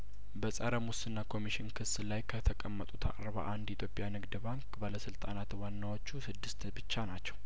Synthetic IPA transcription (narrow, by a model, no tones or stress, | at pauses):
bəsʼəɾəmusɨnːakʰo̞miʃɪnkʰɨsːlajkʰət̪ʰəkʼəmːət̪ʼut̪ʰa̰kʼɾəβə̰ʔand̪jit̪ʰjo̞pʼjanɨɡd̪baŋkbaləsɨlt̪ʼanat̪wanːawot͡ʃːusɨd̪ːɨst̪bɨt͡ʃːanat͡ʃːɛw